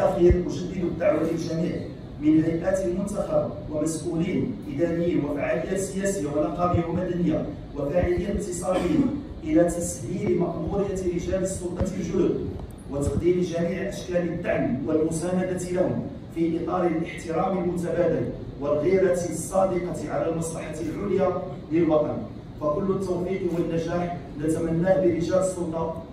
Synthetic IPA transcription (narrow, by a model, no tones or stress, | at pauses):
ʔæxiɾmʊʒəd̪ːəd̪bəd̪ːaʕwæt̪əlʒæmiʕ | mɪnhæjʔæt̪əlmʊnt̪axabwəmæsʔulinəʔid̪ænəjinwəfaʕaləjːæt̪səjæsəjːawənɑqɑbɪjwəmæd̪ænəjːa | wəfaʕələjːaq̚t̪ːəsˤɑd̪əjːa | ʔəlæt̪æshilmɑʔmuɾɪjːat̪ɾəʒæləsˤːolt̪ˤɑt̪əlʒʊd̪b | wət̪ɑqd̪imʒæmiːʕʔæʃkælət̪ːaʕmiwəlmʊsænad̪at̪lahʊm | fiʔət̪ˤɑɾˤəlʔəħt̪əɾɑməlmʊt̪æbæd̪əl | wəlɣiɾæt̪sˤːɑd̪əqɑʕalælmɑsˤlɑħat̪lʕʊlja | ləlwɑt̪ˤɑn | fækʊlːʊt̪ːowfiqwənːæʒaħnæt̪æmænːæbəɾɪʒæləsˤːʊlt̪ˤɑ